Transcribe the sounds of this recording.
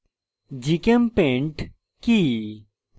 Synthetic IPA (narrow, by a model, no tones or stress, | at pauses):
d͡ʒikəmpẽɳʈ | ki